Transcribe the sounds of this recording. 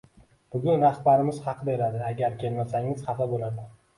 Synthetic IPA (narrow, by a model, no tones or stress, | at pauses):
b̥ʊɡʲʊnɾaχbaɾɪmɪz̥χɑqʰɨd̪aeɾad̪ɪaɡʲaɾkʲʰe̞lmasaŋɪz̥χɑt̪ɒbolad̪ɪ